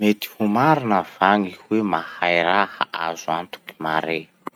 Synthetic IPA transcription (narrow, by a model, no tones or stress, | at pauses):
met̪i̥humaɾinəv̥aŋihwemahajɾahə̰a̰zuant̪u̥ki̥maɾe